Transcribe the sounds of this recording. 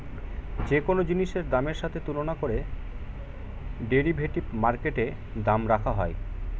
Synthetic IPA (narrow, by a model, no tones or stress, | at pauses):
d͡ʑekonod͡ʑiniʃeɾd̪ameɾʃat̪ʰet̪ulonakoɾe | ɖeɾibʱeʈipmaɾkeʈe | d̪amɾakʰaɦɔe